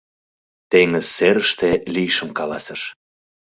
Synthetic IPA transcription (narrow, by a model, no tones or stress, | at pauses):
t̪eŋəzːeɾəʃt̪elijʃə̆mkɑlɑsəʃ